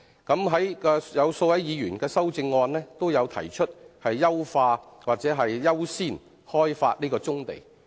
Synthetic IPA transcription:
kɐ˨˥mɦɐ˨˥jkɔː˧jɐ˨˧wso˧wɐ˨˥jiː˨˧jyː˨˩nkɛː˧sɐ˥wt͡sɪ˧ŋːɔː˧nlɛː˥t̪o˥wjɐ˨˧wt̪ʰɐ̰˨˩jt͡ʃʰɵ˥t̚hɐ˨jːɐ˥wfaː˧waː˨k̚t͡sɛː˨˥ɦɐ˨jːɐ˥wsiː˥˩n | hɔː˥jfa̰ː˧t̚nliː˥kɔː˧t͡sʊ˥ŋt̪ḛ˨j

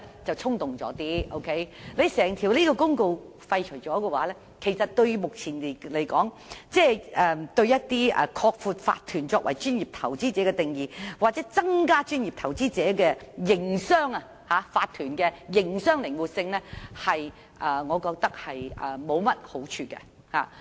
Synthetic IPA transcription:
t͡sɐ˨wt͡sʰʊ˥ŋt̪ʊ˨ŋt͡sɔ̰ː˨˥t̪iː˥ʔo̰˥wkʰe˨˥jle˨˧jsɛː˨˩ŋt̪ʰiː˨˩wliː˥kɔː˧kʊ˥ŋko˧w | fɐ˧jt͡ʃʰɵ˨˩jt͡sɔː˨˥kɛ˧waː˨˥lɛː˥ | kʰe˨˩jsɐ˨t̚t̪ɵ˧ɥmʊ˨k̚t͡sʰiː˨˩n˨˩le˨˩jkɔː˨˥ŋ | t͡sɛː˥˧ʔɛː˨˧t̪ɵ˧ɥjɐ˥t̚t̪iː˥ɛ̰˧kʰɔː˧k̚fuː˨˧t̚fa̰ː˧t̪ʰyː˨˩nt͡sɔː˧k̚wʔɐ˨˩jt͡ʃyː˥njiː˨˩p̚t̪ʰɐ˨˩wt͡siː˥t͡sɛː˨˥kɛ˧t̪ɪ˨ŋjiː˨˩waː˨˩t͡sɛː˨˥t͡sɐ˥ŋkaː˥t͡ʃyː˥nji˨p̚t̪ʰɐ˨˩wt͡siː˥t͡sɛː˨˥kɛː˧jɪ˨˩ŋsœː˥ŋɐ˧ | haː˨˥faː˧t̪ʰyː˨˩nkɛː˧jɪ˨˩ŋsœː˥ŋlɪ˨˩ŋwuː˨t̚sɪ˧ŋlɛː˥hɐ˨j | ʔɐː˨˧ŋɔː˨˧kɔː˧k̚t̪ɐ˥k̚hɐ˨jʔɐ̰˨mo˨˧wmɐ˥t̚ho˨˥wt͡ʃʰyː˧kɛ̰˧ | ha̰ː˨˩

